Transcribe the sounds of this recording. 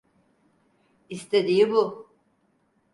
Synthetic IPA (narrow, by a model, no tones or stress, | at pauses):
ist̪ʰed̪ijibu